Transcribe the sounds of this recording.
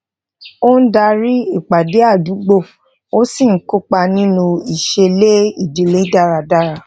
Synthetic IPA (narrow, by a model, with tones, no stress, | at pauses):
o˦n̩˦da˧ɾi˦i˦˨k͡pa˨de˨˦a˦˨du˨˦ɡ͡bo˦˨ | o˦si˦˨ŋ̩˦ku˦k͡pa˧nĩ˦nũ˧i˨ʃe˧le˦i˦˨de˨le˨˦da˦˨ɾa˧˨da˦ɾa˧˨